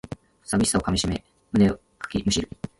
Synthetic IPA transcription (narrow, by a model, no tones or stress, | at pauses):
sabʲiisaokamʲiɕime | mɯ̟ne̞o | kḁkʲimɯ̟ɕiɾɯ̟